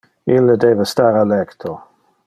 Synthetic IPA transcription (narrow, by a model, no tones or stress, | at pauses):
ilːəd̪ɛːvest̪aːɾalɛkt̪ʰo